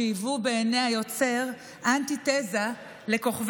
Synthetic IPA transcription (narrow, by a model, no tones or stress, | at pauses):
ijvubeːnehajot͡se̞ʁ | ʔant̪it̪eza | le̞ko̞χv